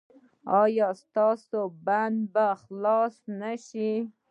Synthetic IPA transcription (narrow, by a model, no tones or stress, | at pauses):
ɑjɑst̪ɑsoband̪baxlɑsnaʃi